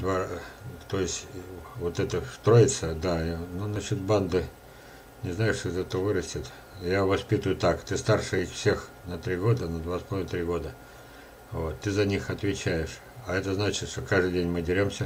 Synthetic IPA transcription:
d̪vat̪ojɪsʲtʲvot̪ɛt̪əst̪ɾo̞ɪt̪səd̪anunɐɕot̪̚band̪ɨ | nʲɪznajɪʂʲɪzʲɛt̪ovɨɾəsʲtʲɪt̪ | javɐspʲit̪ʊjʊt̪akt̪ɨst̪arʂɨixfsʲe̞x | nɐt̪ɾʲiɡo̞d̪ənəd̪vaspɐlˠt̪ɾʲiɡo̞d̪ə | vo̞t̪ːɨzɐnʲixɐt̪vʲɪt͡ɕæjɪʂ | ɐɛt̪əznat͡ɕɪt̪ʂt̪okaʐd̪ɨdʲenʲmɨdʲɪɾʲomsʲə

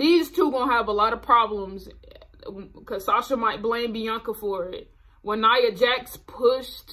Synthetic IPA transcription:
ðiz̥tʰuɡõʊ̃nəvəlɔɾʌv̥pʰɹ̥ɑblə̃mz | kʰʌ̥sɑsə˞maɪt̚b̥lẽɪ̃mbijʌ̃ŋkəfə˞ɪt̚ | wə̃nːaɪɨd͡ʒækspʰʊʃt

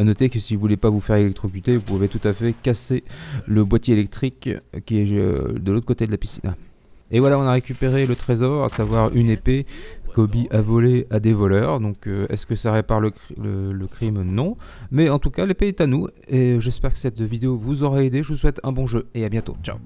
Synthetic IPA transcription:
anɔt̪ekəsivuvulɛpavufɛʁelɛk̚t̪χɔkʲyt̪evupuvet̪ut̪afɛkaseləbwat̪jeːlɛk̚t̪χikʲːiɛ̰d̪əlot̪χəkot̪ed̪əlapisḭn | evwalaɔ̃naʁekʲypeʁelət̪χezɔʁa̰savwaʁy̰nepekɔbiʔavɔlead̪evɔlœʁd̪ɔ̃køɛ̰skəsaʁepaʁlələləkχimnɔ̃mɛɑ̃t̪ukalepeɛt̪anueʒɛspɛʁkə̥sɛt̪vid̪eovuzɔʁaed̪eʒəvuswɛt̪ɛ̰̃bɔ̃ʒøeabjɛ̃t̪o̰t͡ʃa̰

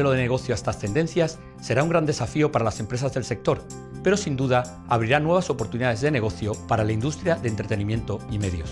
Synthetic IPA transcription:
eloðe̞neɣ̞o̞θjoest̪ast̪e̞nd̪e̞nθjasː | e̞ɾauŋɡɾand̪e̞safio̞paɾalase̞mpɾe̞sazðe̞lse̞k̚t̪o̞ɾ | pe̞ɾo̞sind̪uðaː | βɾiɾanwe̞β̞aso̞po̞ɾt̪uniðaðe̞zðe̞ne̞ɣ̞o̞θjo̞paɾalaind̪ust̪ɾjaðent̪ɾe̞t̪e̞nĩmje̞nt̪o̞ime̞ðjo̞s

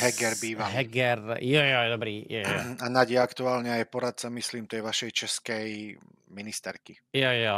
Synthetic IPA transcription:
ɦɛɡɛɾbiːʋaɦɛɡɛɾjɔjɔjɛd̪ɔbɾiːjɛjanaɟɛakt̪uaːlɲɛajpɔɾat̪̚samisliːmt̪ɛjʋaʃɛjt͡ʃɛskɛj | minist̪ɛɾki | jaja

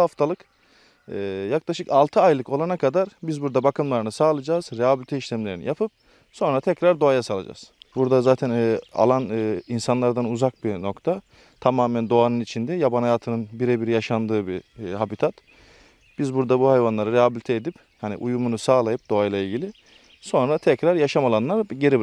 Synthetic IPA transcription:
haft̪ʰalˠɯk | ɯːjaklˠaʃɯkalˠt̪ʰɯajlˠɯko̞lˠanakʰad̪aɾbizbuɾd̪abakʰɯmlˠaɾɯnɯsaːlˠad͡ʒaːz̥ɾeɦabilʲit̪ʰɛiʃlʲɛmlʲe̞ɾinḭjapʰɯp̚ | so̞nɾat̪ʰɛcɾaɾd̪o̞ajasalˠad͡ʒa̰ːz̥buɾd̪azaːt̪ʰɛna̰lˠanːinsanlˠaɾd̪anuzak̚bino̞kt̪ʰa | t̪ʰamaːmɛnd̪o̞anɯnit͡ʃʰind̪ɛjabanɦhajaːt̪ʰɯnɯnbiɾɛbiɾijaʃand̪ɯːbihabit̪ʰat̪ | b̥izbuɾd̪abuhajvanlˠaɾaɾeɦabilit̪ʰɛed̪ip | hanḭʔujumunusaːlˠajɯp̚d̪̥o̞ajlˠailʲɟilʲɪ | so̞nɾat̪ʰɛcɾaɾjaʃamalˠanlˠaɾɟeɾib

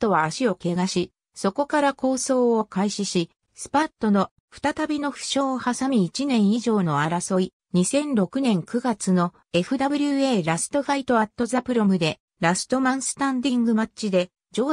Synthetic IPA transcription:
t̪ːo̞βaːɕio̞ke̞ɡaɕi | so̞ko̞kaɾako̞ːso̞ːokaiɕiɕi | sɨ̥pat̪ːo̞no̞ | ɸɯ̥t̪at̪abʲino̞ɸɯ̟̥ɕo̞ːohasamʲiit͡ɕinẽ̞ɰ̃iʑo̞ːnoaɾaso̞i | ɲ̟isẽ̞nɾo̞kɯ̟nẽ̞ŋkɯ̟ɡat͡sɨno̞ | e̞ɸɯ̟d̪abɯ̟ɾʲɯeːɾasɨ̥t̪o̞ɸait̪o̞at̪ːo̞zapɯ̟ɾo̞mɯ̟d̪e̞ | ɾasɨ̥t̪o̞mãɰ̃sɨ̥t̪ãnd̪ĩŋɡɯ̟mat͡ɕid̪e̞ | d͡ʑo̞ː

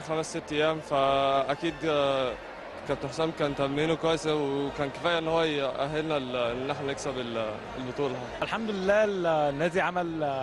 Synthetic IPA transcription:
xæmæsːet̪ːejːæːmfæʔækiːd̪ | kæb̚t̪ħsæːmkæːnt̪æmːiːnokwæːjsæwekæːnke̥fæːjːæʔenːhowːæjʔæɦelnælenːʔeħnæneksæbel | elbot̪ˤuːlhæːʔælħamd̪ʊlelːæːlnːæːd̪iʕamæl

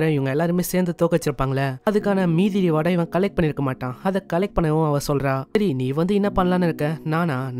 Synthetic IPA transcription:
ɾɐ̃ɪʋɐŋɡɐɛlːaːɾɯmeːseːɾnd̪ɯt̪oːkɐt͡ʃːɯɾɯpːaːŋɡɐlːɐɐðɯkːaːnɐmiːðɪɾiʋɐɽɐjʋɐ̃ːkɐlɛk̚ʈ̚pɐɳːɪɾɯkːɐmaːʈːãːɐðɛkɐlɛk̚ʈ̚pɐɳːɐʋʊ̃ɐʋɐ̃sɔlɾaːɐɾiniːʋɐnd̪ɯɪnːɐpɐnːɐlaːnɪɾɯkːɛ̃naːnaːn

